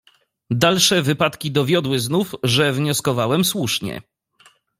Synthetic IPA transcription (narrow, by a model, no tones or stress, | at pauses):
d̪alʂɛvɘpat̪kʲid̪ɔvʲjɔd̪wɘznufʐɛvɲɔskɔvawɛmswuʂɲɛ̰